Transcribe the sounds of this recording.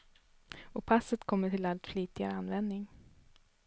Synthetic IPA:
ɔpʰasət̪kʰɔmːəʈʰɪlalt̪fliːt̪ɪɡa̰ɾəanvɛnd̪nɪŋ

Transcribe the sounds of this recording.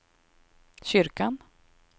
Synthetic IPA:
ɕʏɾkan

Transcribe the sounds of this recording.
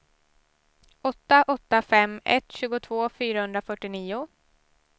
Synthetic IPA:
ɔt̪ːaʔɔt̪ːafɛmːɛ̰t̪ɕʉːɡʊt̪ʰvoːfyːɾahɵnd̪ɾafœʈːɪniːʊ

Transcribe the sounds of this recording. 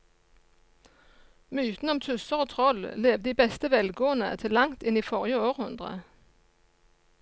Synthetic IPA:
myːt̪n̩ɔmt̪ʰʉsəʁoːt̪ʰʁɔlleːʋd̪iːbɛst̪əʋɛlɡoːənə̰t̪ʰɪlːɑŋt̪ɪniːfɔʁjəoːʁhʉnd̪ʁə̰

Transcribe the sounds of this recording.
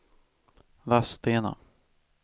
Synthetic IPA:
vast̪eːna̰

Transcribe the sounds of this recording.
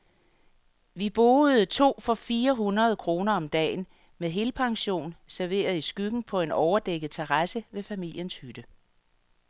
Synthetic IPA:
ʋib̥o̝ð̩ˠt͡sʰo̝̰ːfɒ̽fiːɐɦunʁɐð̞ˠkʰʁo̝ːnɐɒ̽md̥ɛ̰ːn | meðɦe̝lpʰɑ̈ŋɕo̝̰ːnsæɐʋe̝̰ːɐð̞̩ˠisɡ̥yɡ̥n̩pʰɒ̽e̝nɒʊɐd̥eɡ̥əð̩ˠt͡sʰeʁɑsəʋe̝fæmil̰jənshyd̥ə

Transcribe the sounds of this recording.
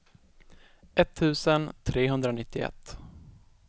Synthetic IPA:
ʔɛt̪ʰːʉ̟ːsənt̪ʰɾeːɦɵnd̪ɾanɪt̪ːɪɛ̰t̪ː

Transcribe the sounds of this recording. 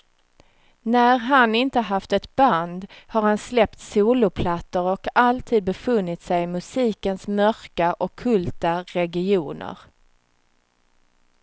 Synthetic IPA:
næɾɦanɪnt̪əɦaft̪ɛt̪band̪haɾhanslɛp̚t̪suːlʊpʰlat̪ːəɾɔkalt̪ʰiːd̪̚bɛfɵnːɪt̪sɛjɪmɵsiːkənsmœɾkaʔɔkʰːɵlt̪aɾɛɡɪuːnə̰ɾ

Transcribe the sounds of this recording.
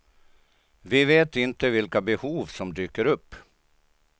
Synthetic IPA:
vɪveːt̪ɪnt̪əvɪlkabɛhuːvsɔmd̪yːkəɾɵpː

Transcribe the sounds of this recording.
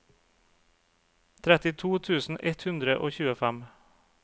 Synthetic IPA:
t̪ʰɾɛt̪ɪt̪ʰuːt̪ʰʉːsn̩ʔɛt̪hʉnd̪ɾəʔoːçʉːəfæm

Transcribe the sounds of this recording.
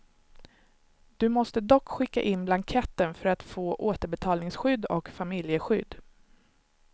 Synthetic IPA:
d̪̥ɵmɔst̪əd̪ɔkːɧɪkːa̰ʔɪnːblankʰɛt̪ːənfœɾat̪foːʔoːt̪əɾbɛt̪ʰɑːlnɪŋsɧʏd̪ːɔkfamɪljəɧʏd̪ː

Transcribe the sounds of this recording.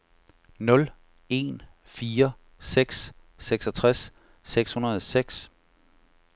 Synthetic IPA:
nɔ̽l | e̝n | fiːɐ | seɡ̥sː | eɡ̥sɒt͡sʰʁasː | eɡ̥shunɐð̩ˠseɡ̥s

